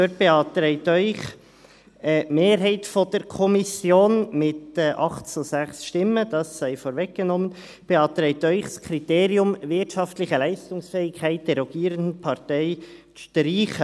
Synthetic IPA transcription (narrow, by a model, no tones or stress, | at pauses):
føt̚b̥eɑːt̪ɾɛɪtœʏχ | əmeːɾɦɛɪtfɔd̥əɾkʰɔmisjoːnmɪtɛʔɑχtt͡susæχsʃtɪməd̥ɑsːɛɪfoːɾvɛk̚ɡ̥ənɔmən | b̥eɑːt̪ɾɛɪt̪œʏχskʰɾiteːɾiʊmvɪtʃɑftlɪçəlæɪstʊŋsfɛːɪkʰæɪt̚d̥ɛɾɔɡ̥iːɾəndn̩pʰɑɾtɛɪ | təɾiːχə